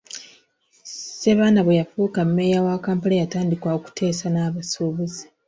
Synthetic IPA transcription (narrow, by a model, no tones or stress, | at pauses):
seβaːnaβwejafuːkamːejawakaːmpalajataːndikwaoku̥tʰe̞ːsanaːβasoːβeze̥